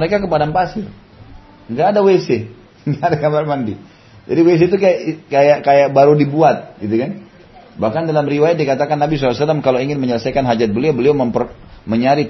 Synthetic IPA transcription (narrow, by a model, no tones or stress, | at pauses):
məɾekakəpadampasɪr | ŋɡaːdawese | ŋɡadakamarmandi | d͡ʒadiwes̬et̪̬ukajakajakajabaɾudibuat̪̚ɡit̪ukan | bahkandalamriwajat̪̚dikat̪akanːabis̬ɔsalamkaloiŋɪnməɲələsajkanɦad͡ʒat̪̚bəliabəliaməmpər | məɲaɾi